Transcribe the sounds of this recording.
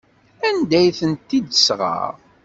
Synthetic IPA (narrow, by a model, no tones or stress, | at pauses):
ænd̪æjθənt̪ːid̪əsʁɑ̰ʁ